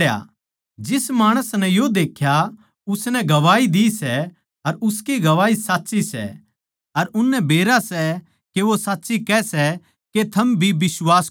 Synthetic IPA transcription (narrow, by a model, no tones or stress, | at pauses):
ja̰ | d͡ʒɪsmaːɽ̃əsnɛjod̪eːkʰja | ʊsnɛɡɐʋaːid̪isɛ | ɐɾʊskiɡɐʋaːisaːtːʃisɛ̰ | ɐɾʊnːɛbʱeːɾasɛ | keʋosaːtːʃikɛsɛ | ket̪ʰɐmbʱibɪswaːs